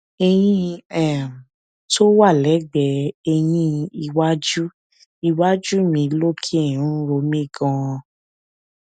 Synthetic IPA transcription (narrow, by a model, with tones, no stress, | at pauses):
ɛ˧j̃ĩ˦ɛ̃˦˨m˨ | to˦wa˦˨lɛ˨˦ɡ͡bɛ˨˧ɛ˧j̃ĩ˦i˧wa˦d͡ʒu˦ | i˧wa˦d͡ʒu˦mĩ˨˧˦lo˦kʰi˦˨ũ˦ɾo˧˦mĩ˦˨ɡã˧